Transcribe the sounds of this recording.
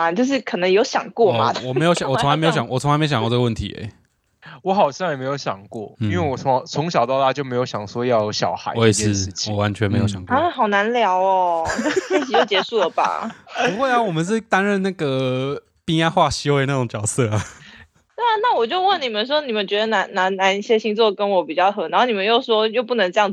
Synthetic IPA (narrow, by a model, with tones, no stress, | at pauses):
a˨˩t͡ɕjo˥˧ʊʂ̬ɻ̩˥˩kʰɤ˨˩nə˧˥ŋjo˧˥ʊɕjɑ˨˩ŋkwɔ˥˩ma̰˨wɔ˨me˧˥jɕjɑ˨wʰo˧˥a˧˥m˧˥jo˧˥ɕjɑ˨˦ŋwɔ˨˩t͡sʰŋa˧˥me˥˧˩kʈ͡ʂə˥˩ə˧wə˥˩nt̪ʰḭ˧˥ḛ˨˦ | wɔ˧˦xɑ˨˩ʊɕjme˧˥ɪjo˧˥ʊɕjɑ̰˨˩ŋkwɔ˥˩˥i˦nwe˥˩wɔ˨˩o˧˦ŋt͡sʰo˧˥ŋɕɑ˨˩ʊt̪ɑ˥˧t̪a˥˩t͡ɕjo˥˩me˧˥ɪjo˧˥ʊɕjɑ˨˩ŋʂwɔ˥jɑ˥˨ʊɕjɑ˨˩ʊxa˧˦ɪe˥˧ʂ̩˥˩t͡ɕʰiwɔ˩ɔ˨˩wa˧˦nt͡ɕʰɥɛ˧nme˧˥ɪjo˨˧˥ɕjɑ˨˩ŋkxɑ˨˩ʊna˧˦nljɑ˧˥ʊɔ˧˥t͡ɕi˥˩t͡ɕʰi˨˥jo˥˩ʊt͡ɕjɛ˨˩ʂu˥˩lə˩ba̰˨˩pu˧˥kwe˥˩ɪa˧˩wɔ˨˩mə˨˦nʂ̬̩˥˩t̪a˥nɻə˥˧nna˥˩ɡə˩ | pi˥ŋja˥xwa˥˩ɕi˥we˥˧ɪna˥˩ʈ͡ʂʊ˨˧˦ŋt͡ɕjɑ˨˩ʊsɤ˥˩a˨˩ | t̪we˥˧ɪa˨na˥˩wɔ˨˩t͡ɕjo˥˧ʊwə˥˩nni˨˩mə˨˦nʂ̬wɔ˥ni˨˩mə˨˦nt͡ɕɥɛ˧˥d̪ə˧na˧˥na˧˥na˧˥ni˥˩ɕjɛ˥ɕi˥ŋt͡swɔ˥˩kə˦˥nwɔ˧˥pi˨˩t͡ɕjɑ˥˩ʊxɤ˧˥na˧˥o˥˩ni˨˩mə˦njo˥˩ʊʂwɔ˥jo˥˧ʊp̬u˥˩nə˧˥ŋʈ͡ʂɤ˥˧jɑ˥˩ŋ˩